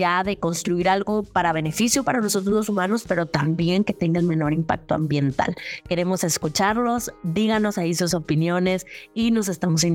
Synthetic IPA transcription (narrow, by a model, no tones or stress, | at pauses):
aðe̞ko̞nst̪ɾuiɾalɣo̞paɾaβe̞ne̞fisjopaɾanosot̪oosumãno̞spe̞ɾo̞t̪ambje̞ŋke̞t̪e̞ŋɡaelmẽ̞no̞ɾimpa̰k̚t̪oa̰mbje̞nt̪a̰lke̞ɾe̞mo̞se̞skut͡ʃaɾlo̞sd̪iɣano̞saisuso̞pinjo̞ne̞sino̞s̬e̞st̪amo̞s̬in